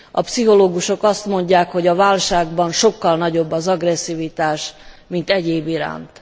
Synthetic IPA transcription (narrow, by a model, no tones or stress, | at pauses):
ɒ̰psiɦo̞loːɡuʃo̞kɒst̪mo̞ɲɟaːkho̞ɟɒvaːlʃaːɡbɒnʃo̞kːɒlnɒɟo̞bːɒzɒɡrɛsːivit̪aːʃmint̪ɛɟeːbiɾa̰ːnt̪